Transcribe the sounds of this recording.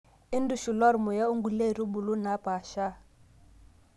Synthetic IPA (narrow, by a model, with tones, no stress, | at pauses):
ɪ˦ndu˨ʃu˨lɔ˦ɾmɔ˨ja˦u˦ŋɡu˨le˦˨ɾi˦bu˨lu˦na˨˦pʼaː˨ʃa˦